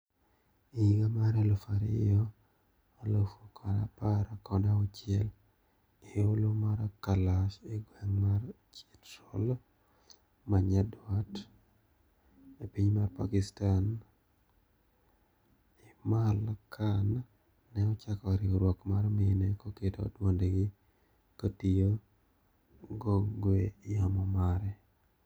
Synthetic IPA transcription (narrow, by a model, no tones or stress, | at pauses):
iɡamaɾelofaɾɪ̰jɔ | alofokʰaɾa̰paɾakɔnɛɔt͡ʃjɛl | eolomaɾakalaʃeɡwɛŋmar | t͡ʃitːɔl | maɲadwat | epiɲmarpakɪstan | imalakʰanː | ɛɔt͡ʃakɔɾɪoɾwɔkmaɾmenekɔketo̰dwondeɡɪ | kotijo | ɡoɡwejamɔmaɾɛ